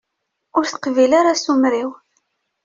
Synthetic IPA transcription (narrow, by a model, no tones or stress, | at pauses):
ʊɾθə̥qvilaɾasumɾiw